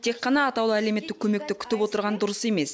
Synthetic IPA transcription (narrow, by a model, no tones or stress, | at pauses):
t̪ʰe̞qːɑnɑːt̪ɑwlˠəæleme̞t̪ːɪkʲʰɵme̞k̚t̪ɪkʲʰʏ̥t̪ɪpwo̞t̪əɾʁɑnd̪ʊɾəse̞me̞s